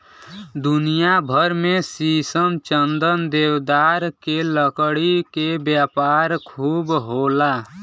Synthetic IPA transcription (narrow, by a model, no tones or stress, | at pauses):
d̪unijabʱəɾmesisəmt͡ʃənd̪ənd̪ewd̪aɾkeləkɽikebjapaɾkʰuːbɦola